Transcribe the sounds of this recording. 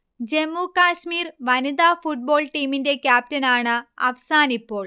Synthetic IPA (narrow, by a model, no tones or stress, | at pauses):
d͡ʑe̞mːukaːɕmiːrʋɐnid̪aːfuʈ̚bo̞ːɭʈiːminde̞kʲjaːp̚tɐnaːɳɨɐ̰ʋɐsaːnipːo̞ːɭ